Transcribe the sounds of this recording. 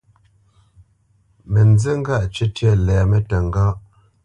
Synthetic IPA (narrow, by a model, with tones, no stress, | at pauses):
me˨n˦d͡ze˦ŋ̩˦ɡa˦˨ʔt͡ʃe˦tjɛ˦˨lɛ˨me˦tə˨ŋ˨ɡa˦ʔ